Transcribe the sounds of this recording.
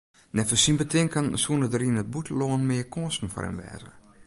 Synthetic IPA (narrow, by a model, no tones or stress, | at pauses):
nɛfəsinbətɪŋkənsuənədəɾinət̚butʰəloːənmɪːəkoːstn̩fɔ̰ɾɛ̰nʋɛ̰ːzə̰